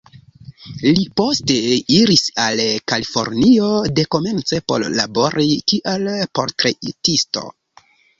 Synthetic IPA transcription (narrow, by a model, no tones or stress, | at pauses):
lipo̞ste̞iɾisalkalifo̞̰ɾnio̞de̞ko̞me̞nt͡se̞po̞̰ɾla̰bo̞ɾʔitiʔelpo̞ɾtɾeitisto̞̰